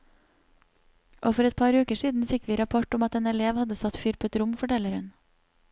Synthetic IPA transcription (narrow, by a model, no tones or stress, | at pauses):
ʔoːfɔɾɛt̪̚pʰɑːɾʉːkəʃiːd̪n̩fɪkʋiːɾɑpʰɔʈʊmɑt̪eːnɛleːʋhɑd̪əsɑt̪fʏɾpət̪ɾʊmfɔʈɛləɾhʉn